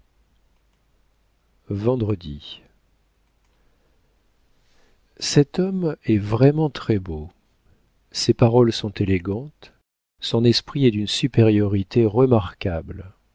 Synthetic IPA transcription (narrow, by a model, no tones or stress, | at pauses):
vɑ̃d̪ʁəd̪i | sɛt̪ɔmɛvʁɛmɑ̃t̪χɛbo | sepaʁɔlsɔ̃t̪eleɡɑ̃t̪ | sɔ̃nɛspχiɛd̪ynsypeʁjɔʁit̪ʰeʁəmaʁkʲabl